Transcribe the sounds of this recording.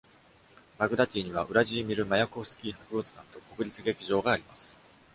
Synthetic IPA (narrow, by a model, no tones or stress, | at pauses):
maɡɯ̟d̪at̪ʲiːɲ̟iβ̞aʔɯ̟ɾaʑiːmʲiɾɯ̟majako̞sɨ̥kʲiːhakɯ̟ot͡sɨ̥ɡãnt̪o̞ko̞kɯ̟ɾʲit͡sɨɡe̞kʲiʑo̞ːɡaːɾʲimasɨ̥